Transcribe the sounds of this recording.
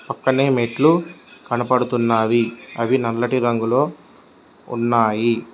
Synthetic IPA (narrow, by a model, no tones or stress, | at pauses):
pɐkːɐneːmeːʈlukɐnɐpɐɽut̪unːaːʋiɐʋinɐɾlɐʈiɾɐŋɡuloː | ṵnːaːji